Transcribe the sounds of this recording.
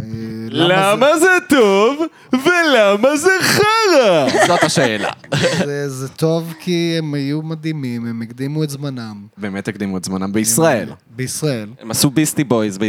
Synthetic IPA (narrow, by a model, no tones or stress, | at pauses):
ellamazet̪ov | velamazeχaʁazot̪haʃeːla̰ezet̪o̞vkiemajumad̪imimemekd̪imuet̪zmanambeːmet̪ekd̪imuetzmanambeisʁaḛl | beisʁaelemasubist̪ibojzbe